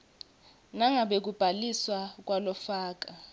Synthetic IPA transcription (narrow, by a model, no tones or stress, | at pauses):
naŋʱaɓek̬ub̥ʱaliswak̬walɔfaːk̬a